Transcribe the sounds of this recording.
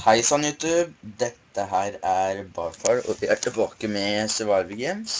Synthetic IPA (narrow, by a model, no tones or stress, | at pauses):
hæɪsɑnjʉːt̪ʉːb̚d̪ɛt̪ːəɦæːɾæɾbɑːfɑɾɔ̰ʋɪʔæːʈɪbɑːkəmɛsɛʋɑːɾʋɪɡeːms